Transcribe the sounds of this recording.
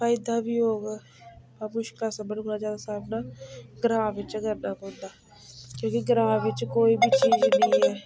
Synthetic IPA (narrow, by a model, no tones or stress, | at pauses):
faːɪd̪abʱiɦoːɡaː | bamʊʃklasəbənolad͡ʒjaːd̪asaːbnaːɡɾãːʋɪt͡ʃɡəɾnakoːd̪aː | kjõːkiɡɾãːʋɪt͡ʃkoːibʱit͡ʃiːznəɦɛː